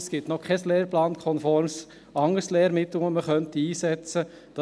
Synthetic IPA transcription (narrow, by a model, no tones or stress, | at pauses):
sɡ̥ɪtnɔkʰɛsleːɾplɑːnkʰɔnfɔɾms | ɑŋəɾsleːɾmɪtləŋəməχœntiiːsɛt͡sə | d̥ɑ